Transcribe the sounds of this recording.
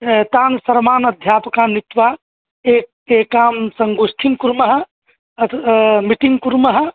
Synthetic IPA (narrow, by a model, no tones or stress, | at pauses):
t̪aːnsəɾmaːnəd̪ʱjaːpəkanit̪ʋa | ek | ekamsəŋɡustʰiŋkuɾməɦə | miʈiŋɡkuɾməɦə